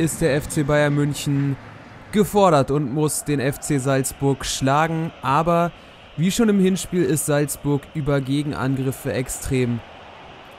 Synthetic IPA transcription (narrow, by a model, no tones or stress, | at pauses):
ɪstd̥eːɐɛft͡seːbaɪɐnmʏnçn̩ | ɡ̥əfɔɐɾɐtʊntmʊsd̥eːnɛft͡seːzalsb̥ʊɐkʃlaːɡŋ̩ʔaːbɐ | viːʃoːnɪmhɪnʃpiːlɪstz̥alsb̥ʊɐkʔyːbɐɡeːɡŋ̩ʔa̰nɡʁɪfəʔɛkstʁ̥eːm